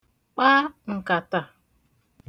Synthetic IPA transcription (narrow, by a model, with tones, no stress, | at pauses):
k͡pa˦ŋ̩˨ka˨ta˨